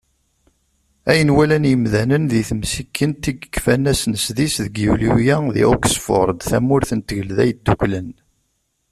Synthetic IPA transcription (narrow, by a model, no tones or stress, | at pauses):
æjənwælænjəmðænənðiθəmsikʰːənt̪ːiɡkːfænːæsnəsðisðəɡjulujæðḭoksfʊ̰ɾˤd̪θæ̰mʊɾθənt̪əʝəlðæ̰jəd̪ːukʷlən